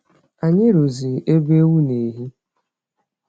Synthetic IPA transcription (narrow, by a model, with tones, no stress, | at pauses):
a˨ɲɪ˦ɾo˨zi˨e˦be˦wu˦ne˨ɦi˦